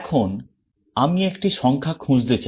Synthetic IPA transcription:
ɛkʰon | amiekʈiʃɔŋkʰakʰũd͡ʑd̪̬et͡ɕa

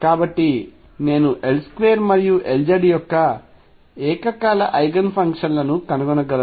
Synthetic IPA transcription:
kaːbɐʈːi | ne̞ːnuʔe̞lskʋejɐɾmɐɾijuʔeld͡ʒɐɖijɔkːɐ | ɛːkɐkaːlɐʔɐjɡɐnpʰɐŋkʂɐnlɐnukɐnɐɡɐnɐɡɐlɐ

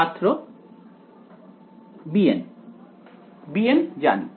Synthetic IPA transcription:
at̪ɾo | bien | biend͡ʒa̰nḭ

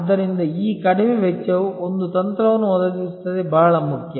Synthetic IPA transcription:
ɐd̪ːɐɾind̪ɐiːkɐɽimeʋɛt͡ʃːɐʋuond̪ut̪ɐnt̪ɾɐʋɐnːuɔd̪ɐd̪iist̪ːɐd̪ebaːɭɐmukʰjɐ

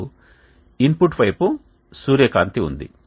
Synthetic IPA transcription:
inpuʈʋɐjpu | suːɾjɐkaːnt̪iṵnd̪ḭ

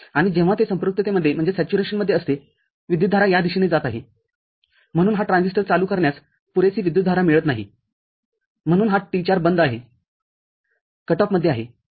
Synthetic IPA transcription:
aɽ̃id͡ʑẽʋ̤at̪esə̃mpɾuk̚t̪ət̪eməd̪ʱːjem̤əɳd͡zesæt͡ɕuɾeɕənməd̪ʱːjeəst̪e | ʋid̪jud̪dʱaɾajad̪iɕined͡zat̪aɦe | m̤əɽ̃uːnɦaʈɾãnsisʈəɾt͡saluːkəɾɳjas | puɾesiːʋid̪jud̪ʱaɾamiɭət̪naɦḭ | m̤əɽ̃uːnɦaʈit͡ɕaɾbənd̪aɦe | kəʈɔpməd̪ʱːeaɦe

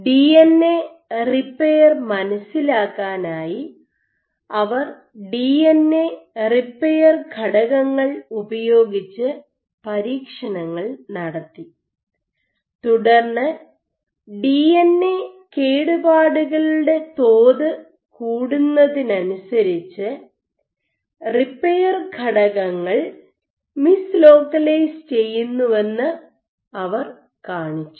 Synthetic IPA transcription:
ɖienːe | ripːejɐrmɐnɐsːilaːkːaːnaːji | ɐʋɐr | ɖiːenːeripːejɐrɡʱɐɽɐɣɐŋːɐɭubɐjo̞ːɡit͡ɕːɨ | pɐɾiːkʂɐnɐŋːɐɭnɐɽɐt̪ːi | t̪uɽɐrnːɨ | ɖienːekeːɽubaːɽuɣɐɭuɽe̞t̪oːðɨ | kuːɽunːɐðinɐnusɐɾit͡ɕːɨ | ripːejɐrɡʱɐɽɐɣɐŋːɐɭ | mislo̞ːkːɐlɐjst͡ɕe̞jːunːuʋenːɨ | ɐʋɐr | kaːɳit͡ɕːu

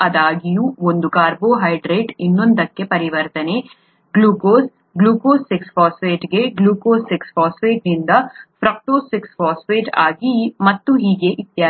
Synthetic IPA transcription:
ɐd̪aːɡijuond̪ukaːɾboːɦɐjɖɾeːʈinːond̪ɐkːe̞pɐɾiʋɐɾt̪ɐne̞ | ɡluːkoːs | ɡluːkoːsikspaːsʋeːʈɡeɡluːkoːsːiksfaːsʋeːʈnind̪ɐpʰɾɐk̚ʈoːsːiksfaːsʋeːʈaːɡimɐt̪ːuɦiːɡe̞ʔit̪jaː

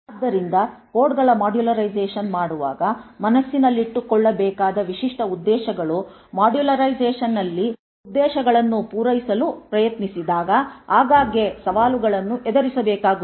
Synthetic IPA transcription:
ɐd̪ːɐɾind̪ɐko̞ːɖɡɐɭɐmaːɖjulɐɾɐjzeːʃɐnmaːɽuʋa̰ːɡɐmɐnɐsːinɐlːiʈːukɔɭːɐbɛːkaːd̪ɐʋiʃiʂʈɐud̪ːɛːʃɐɡɐɭu | maːɖjulɐɾɐjzeːʂɐnːɐlːi | ud̪ːɛːʃɐɡɐɭɐnːupuːɾɐjisɐlupɾɐjɐt̪nisid̪aːɡɐaːɡaːɡje̞sɐʋaːluɡɐɭɐnːuʔɛd̪ɐɾisɐbɛːkaːɡu

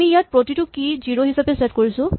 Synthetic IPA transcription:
miijat̚pɹotitʊkiziɹoɦisapesetkoɹisʊ̃

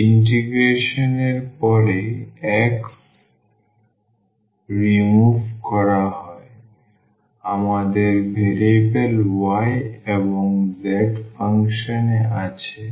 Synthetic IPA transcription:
inʈ̬iɡɾeʃoneɾpɔɾeɛks | ɾimubʱkɔɾaɦɔe | amad̪eɾbʱelebelwajeboŋzɛʈfaŋʃoneʔat͡ɕʰe

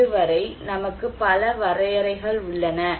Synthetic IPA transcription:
ɯʋɐɾɐɪnɐmɐkːɯpɐlɐʋɐɾɐjɐɾɐɪɣɐɭʊɭːɐnɐ

